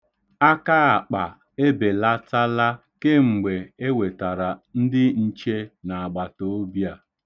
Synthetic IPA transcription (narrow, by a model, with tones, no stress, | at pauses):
a˦ka˦a˨k͡pa˨ | e˦be˨la˦ta˦la˦ | ke˦ŋ͡m̩˨ɡ͡be˨e˦we˨ta˨ɾa˨n̩˦dɪ˦n̩˦t͡ʃe˦na˨a˨ɡ͡ba˨to˦o˦bja˦˨